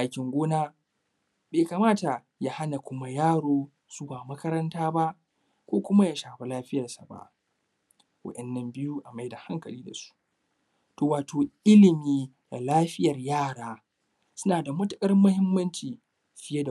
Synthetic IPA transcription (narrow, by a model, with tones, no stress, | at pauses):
ʔa˨kʲɪ˨ŋɡʷoː˦naː˦ | beː˨kaː˨maː˦ta˨ | ja˦ha˦na˨kʷʊ˦ma˦jaː˦ɽoː˦ | su˦baː˨mɐ˦kɐ˦ɾɐ˦ntaː˦ba˦ʔ | kʷoː˦kʷʊ˦ma˦ja˦ʃaː˨ɸa˦laː˦ɸɪ˦jɐ˨rsa˨ba̰˦˨ʔ | wɐ̰˦ɗɛ˨nːɐ˦mbɪ˦ju˦ʔa˨ma˦jda˨ha˦ŋkɐ̰˨liː˦da˨su̥˦ | toː˨waː˨tʰoː˨ʔɪ˦lɪ˨miː˦ | da̰˨laː˦ɸɪ˦jɐ˨rjaː˦˨ɽaː˦ | sʊ˦naː˨da˨mɐ˦tʊ˦kʼɐ˦rmːʊ˦hɪ˦mːɐ˦nt͡ʃiː˨ | ɸɪ˦je˦da˨